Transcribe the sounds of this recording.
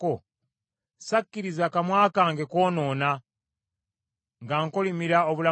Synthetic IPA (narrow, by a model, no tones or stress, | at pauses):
o | sakːiɾizakamwaːkaːŋɡeko̞ːno̞ːna | ŋɡaŋkolimiɾaoβula